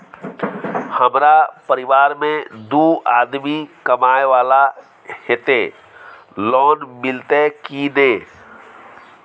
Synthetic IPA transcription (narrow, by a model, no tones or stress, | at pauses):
həmɾapəɾɪʋaːɾmẽd̪uaːd̪mikəmaːeʋaːla | het̪eː | lɔːnmɪlt̪ekineː